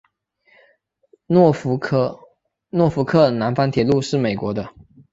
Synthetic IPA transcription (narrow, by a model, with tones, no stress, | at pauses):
fʰ | nwɔ˥˩fu˧˥kʰɤ˥˩na˧˥nfa˥nt̪ʰjɛ˨˥lu˥˧ʂɻ̩˥˩me˨˩ɪkwɔ˧˥d̪ə˧